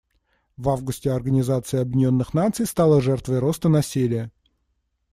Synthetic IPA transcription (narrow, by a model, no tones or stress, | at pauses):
vavɡʊsʲtʲɪɐrɡənʲɪzat̪sɨjɐbʲɪnʲo̞nːɨxnat̪sɨjst̪alˠəʐɛrt̪vəjɾo̞st̪ənɐsʲilʲɪjə